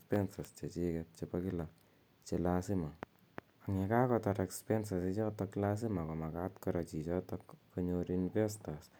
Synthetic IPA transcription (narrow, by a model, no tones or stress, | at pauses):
pɛnsast͡ʃet͡ʃikɛt̚t͡ʃepakila | t͡ʃelasima | aŋekakɔtaɾɛkspɛnsasit͡ʃɔtɔklas̬imakɔmakatkɔɾat͡ʃit͡ʃɔtɔkkoɲoɾinfestas